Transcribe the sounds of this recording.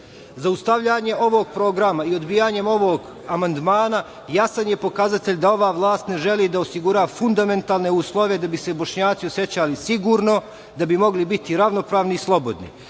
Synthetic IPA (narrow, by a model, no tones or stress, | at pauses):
zaust̪aʋʎaːɲe̞o̞ʋo̞ɡ̚pɾo̞ːɡɾamaio̞d̪bijaɲe̞mo̞ʋoɡ | amand̪maːna | jasanje̞po̞kazat̪e̞ʎd̪ao̞ʋaːʋlˠaːst̪ne̞ʒe̞liːd̪aosiɡuɾaːfund̪ame̞nt̪aːlne̞uːslˠo̞ʋe̞d̪abise̞bo̞ʃɲaːt̪sio̞set͡ɕalisiɡuːɾno̞ | d̪abimo̞ɡlibit̪iɾaʋno̞pɾaːʋniislˠo̞bo̞d̪nḭ